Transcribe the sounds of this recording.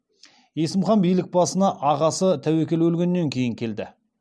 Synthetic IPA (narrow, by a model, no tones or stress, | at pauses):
je̞sɪmχɑnbijlɪk̚bɑsənɑʔɑʁɑsət̪ʰæwekʲe̞lwɵlɡʲe̞nːe̞ŋkʲʰe̞jɪŋkʲʰe̞ld̪ɪ